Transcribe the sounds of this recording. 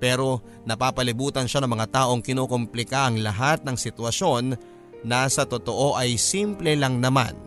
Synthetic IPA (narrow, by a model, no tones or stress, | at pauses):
pɛːɾo̞ | nɐpaːpɐlɪbuːt̪ɐnʃanɐŋmɐŋat̪aːʔo̞ŋkɪnoːkomplɪkaɐŋlɐɦat̪̚nɐŋsɪt̪wɐʃo̞nː | ɐsɐt̪o̞t̪o̞ʔo̞ʔɐjsimplɛlɐŋnɐma̰n